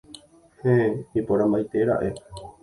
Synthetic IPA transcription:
hẽipoɾãmbajt̪e̞ɾa̰ʔe

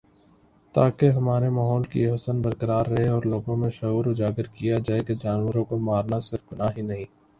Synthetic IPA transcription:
t̪aːkeɦɐmaːɾemaːɦɔːlkḭɦɐsənbɐɾkəɾaːɾːɐɦeɔːɾloːɡõmẽʃɐuːɾʊd͡ʒaːɡəɾkijad͡ʒaːeked͡ʒaːnwəɾõkomaːɾnasɪɾfɡʊnaːɦinɐɦĩː

